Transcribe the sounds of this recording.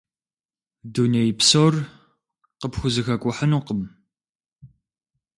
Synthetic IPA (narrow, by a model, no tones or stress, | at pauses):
dunejpsoːr | qəpxʷʊzɨxɐkʷʼʊħənuːqəm